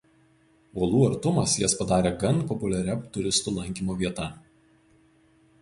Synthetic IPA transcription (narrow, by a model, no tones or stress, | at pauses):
uɔlˠuːɐɾt̪ʊmɐsjɪspɐd̪ɑːɾʲeːɡɐnpɔpʊlʲɛɾʲɛt̪ʊɾʲɪst̪uːlˠɐŋʲkʲiːmoːʋʲiɛt̪ɐ